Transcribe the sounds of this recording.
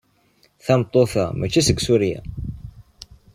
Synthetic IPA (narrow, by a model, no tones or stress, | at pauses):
θæmt̪ˤːoθæmæt͡ʃːisəɡsuɾjæ̰